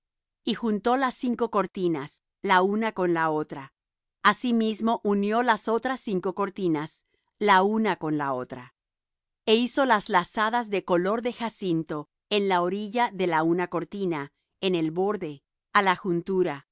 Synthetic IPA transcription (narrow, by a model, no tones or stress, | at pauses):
ixunt̪o̞lasːiŋko̞koɾt̪inas | launako̞nlao̞t̪ɾa | asimizmo̞ʔunjo̞laso̞t̪ɾasːiŋko̞ko̞ɾt̪inas | launako̞nlao̞t̪ɾa̰ | e̞iso̞lazlasaðazðe̞ko̞lo̞ɾðe̞xasint̪o̞ | e̞nlaoɾiʝaðe̞launako̞ɾt̪ina | ene̞lβo̞ɾðe̞ | alaxunt̪uɾa